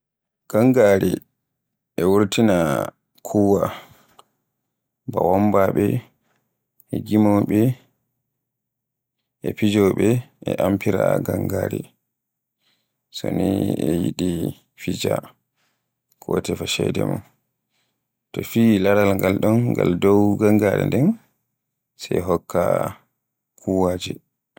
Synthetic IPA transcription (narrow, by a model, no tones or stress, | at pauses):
ɡ̥aŋɡaɾi | ʔɛwuɾtina | kʰuwa | bawɔmbaɓɛ | ɛɡimɔɓɛ | ʔɛpid͡ʒɔɓɛʔɛʔampʰiɾaɡaŋɡaɾi | sɔniɛjiɗi | fid͡ʒa | kʰɔtɛfaʃɛdɛman | tɔfiːlaɾalŋɡalɗɔnŋɡaldɔwɡaŋɡaɾɛ̰ndɛn | sɛɦɔkːa | kʰuwad͡ʒɛ